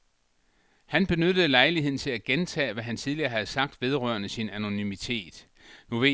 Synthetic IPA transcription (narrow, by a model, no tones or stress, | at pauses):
hænb̥e̝nød̥əlɑ̈ɪliɦe̝ð̰ˠn̩t͡sʰe̝læɡ̥ent͡sʰɛ̰ːʋæɦænt͡sʰið̞ˠliɐːɦæð̞̩ˠsɑ̈ɡ̥̚d̥ʋe̝ð̞ˠʁœ̰ɐ̰nəsinæno̝nymit͡sʰe̝̰ːd̥ | no̝ʋe